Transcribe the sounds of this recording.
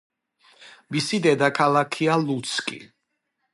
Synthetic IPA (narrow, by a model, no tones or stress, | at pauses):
misid̪ɛd̪akʰalˠakʰialˠut̪sʰkʼḭ